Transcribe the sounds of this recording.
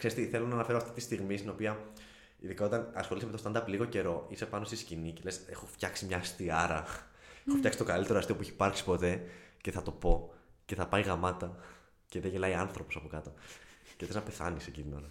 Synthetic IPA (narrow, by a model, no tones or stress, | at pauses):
kseɾst̪iθe̞lo̞nɐːnɐfeɾoɐft̪it̪ist̪iɣmist̪ino̞piɐ | ḭðikɐot̪ɐnɐsxo̞lisɐmet̪ost̪ɐnd̪ɐpliɣo̞ce̞ɾo̞ise̞pɐno̞st̪iscinice̞le̞se̞̰xo̞ft̪çɐksimɲɐst̪iɐɾɐ | eexofçɐksit̪kɐlit̪eɾoɐst̪iopueçipɐɾksi̥po̞t̪e̞ceθɐt̪o̞po̞ | ce̞θɐpɐiɣɐmɐt̪ɐ | ceðeʝelɐiɐnθɾo̞po̞sɐpokɐt̪o̞ceiθeznɐpe̞θɐ̰niseciðinoɾɐ